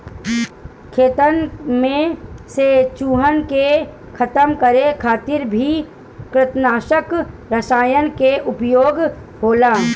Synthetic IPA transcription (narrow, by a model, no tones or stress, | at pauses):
kʰeːt̪ənmẽset͡ʃuːɦənke | kʰət̪əmkəɾekʰaːt̪ɪɾbʱi | kɾɪt̪naːʃəkɾəsaːjənkeʔʊpjoːɡ | ɦoːlaː